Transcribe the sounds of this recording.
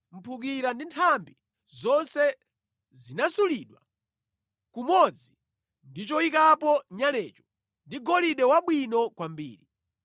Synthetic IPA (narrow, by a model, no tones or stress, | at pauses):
m̩pʰuk̬iɾandintʰambi | zɔnsɛ | zinasuliɗwa̰ | kumɔd͡zi | ndit͡ʃɔikapɔɲalɛːt͡ʃɔ̥ | ndiɡɔliɗɛwaɓwinɔkwambḭːɾi